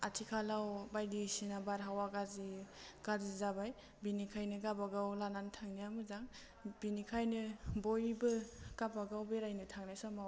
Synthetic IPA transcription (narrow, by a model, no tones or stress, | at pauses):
atʰikʰalawbajdisinabaɾɦawaɡaziɡ̥azizabaj | binikʰajnɯɡabaɡawlanantʰaŋnijamɯzaŋ | binikʰajnɯbojbɯɡ̥abaɡawbeɾajnɯtʰaŋnajsɔmaw